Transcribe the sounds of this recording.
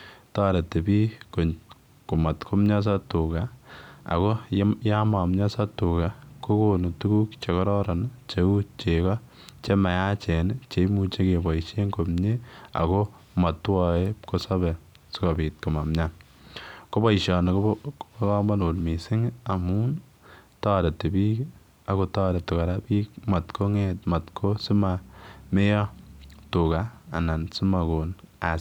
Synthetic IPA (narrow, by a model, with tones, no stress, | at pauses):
taː˦ɾe˨te˨biː˦ko˨ɲ | ku˨ma˨tkʰo˦mɲa˦s̬a˦tu˨ɡa˨a̰˨ko˦ja˦ma˨mɲa˦sa˦tu˨ka˨ko˦kono˨tu˦ku˦kt͡ʃe˨kɔ˦ɾɔ˦ɾɔ˨nt͡ʃe˨u˦t͡ʃe˨kɔ˦ | t͡ʃe˦ma˨ja˦t͡ʃɛ˨nt͡ʃe˦mu˦t͡ʃe˦ke˨ba˨iʃe˦ŋko˨mɲe˦a̰˨ko˦ | ma˨twɔ˦e˦pko˦sa˦bɛ˨ | si˦kɔ˨bi˨t̚ko˨ma˨mɲa˦n | ko˦bɔ˦i˨ʃɔ˨n˨ka˦kɔ˦ma˦no˨lmi˨sɪ˦ŋa˨mu˦n | tɔ˦ɾe˨te˨bi˦k | a˨ko˦tɔː˦ɾe˨to˨ka˨ɾa˦biː˦kma˨tkʰo˦ŋe˦tma˨tkʰo˦si˦ma˨me˦jɔ˦tu˨ka̰ː˨na˨nsi˦ma˨ko˨na˨